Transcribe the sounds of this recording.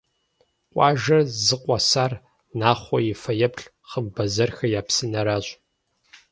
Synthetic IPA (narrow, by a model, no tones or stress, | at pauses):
qʷʼɑːʒɐrzɨqʷʼɔsaːr | naːχʷɔjɪfɐjɛpʰɬ | χəmbɐzɐrxɐjaːpsɨnɐɾaɕʼ